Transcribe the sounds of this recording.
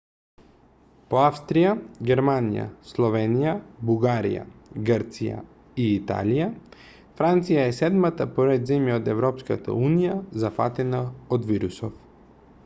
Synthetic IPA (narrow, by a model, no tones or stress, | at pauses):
poafst̪ɾijaɡɛɾmanija̰slˠɔvɛnijabuɡaɾḭja̰ɡəɾt̪sija̰ | iːt̪a̰lija | fɾant̪sijaɛsɛd̪mat̪apoɾɛd̪zɛmjaod̪ɛvɾɔpskat̪a̰unijazafa̰t̪ɛnaod̪viɾusɔf